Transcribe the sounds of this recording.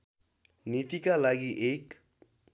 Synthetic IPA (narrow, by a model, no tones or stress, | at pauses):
nit̪ikalaɡiʔek